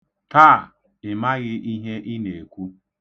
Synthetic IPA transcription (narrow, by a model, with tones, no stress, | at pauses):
taː˦˨ | ɪ˨ma˦ɣɪ˦i˦ɦe˦ʔɪ˦ne˨kʷu˦